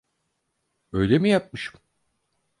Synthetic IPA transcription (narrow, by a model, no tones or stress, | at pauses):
ø̞jlʲemijap̚mɯʃɯ̥m